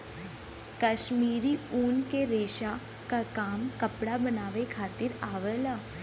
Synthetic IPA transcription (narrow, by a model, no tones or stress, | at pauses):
kəʃmiːɾiuːnkeɾeːʃa | kakaːmkəpɽabənaːʋekʰaːt̪ɪɾaːʋəlaː